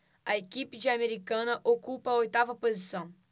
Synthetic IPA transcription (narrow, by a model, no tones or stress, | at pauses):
ɐekipɪd͡ʒɪameɾikɐ̃nɐʔokupɐojt̪avɐpozisɐ̃w̃